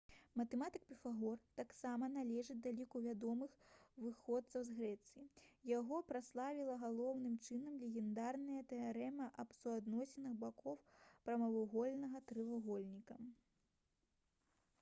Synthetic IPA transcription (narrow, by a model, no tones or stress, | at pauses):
mɐt̪ɛmat̪ɨk̚pʲɛfaɣɔrt̪aksamɐnalʲɛʐɨt͡sʲd̪alʲikuvʲad̪ɔmɨxvɨxɔt̪sɐwzɣɾɛt̪sɨjijaɣɔpɾaslˠavʲilˠɐɣalˠɔwnɨmt͡ʂɨnɐmlʲɛɣʲɛnd̪arnɐjɐt̪ɛaɾɛmɐʔɐpsuad̪nɔsʲɛnɨxbakʰɔwpɾɐmɐvuɣɔlʲnɐɣɐt̪ɾɨvaɣɔlʲnʲikɐ